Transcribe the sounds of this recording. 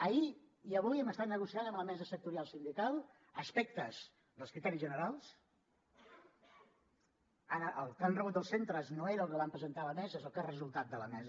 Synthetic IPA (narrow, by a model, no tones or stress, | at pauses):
əi | iəβujɛməst̪at̪̚nəɣusiaðəmləmɛzəsək̚t̪uɾialˠsind̪ikalˠ | əspɛk̚t̪əz̥ | ðəlˠskɾit̪ɛɾizʒənəɾalˠs | aɾəʔəlˠkanrəβut̪əlˠsent̪ɾəznoeɾəlˠkəβampɾəzənt̪aləmɛzəezolˠkarəzulˠt̪at̪̚d̪ələ̰mɛz